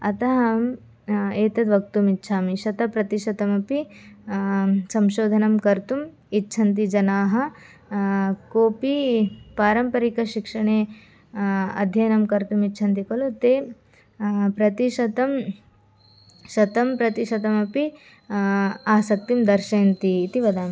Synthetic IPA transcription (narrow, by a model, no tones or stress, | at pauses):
ɐt̪ɐɦɐm | eːt̪ɐd̪ʋɐk̚t̪umitːʃʰaːmiʃɐt̪ɐpɾɐt̪iʃɐt̪ɐmɐpi | sɐmʃoːd̪ʱɐnɐmkɐɾt̪um | itːt͡ʃʰɐnt̪id͡ʒɐnaːɦɐ̆ | koːpipaːɾɐmpɐɾikɐʃikʂɐɳeː | ɐ̰d̪ʱjɐjɐnɐmkɐɾt̪umitːt͡ʃʰɐnt̪ikɐlot̪eː | pɾɐt̪iʃɐt̪ɐm | ʃɐt̪ɐmpɾɐt̪iʃɐt̪ɐmɐpi | aːsɐk̚t̪imd̪ɐɾʃeːnt̪iːt̪iʋɐd̪aːmi